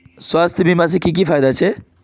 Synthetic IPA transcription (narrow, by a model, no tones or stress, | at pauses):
swast̪ʰjəbimas̬ẽkik̬ipʰajd̪at͡ʃʰe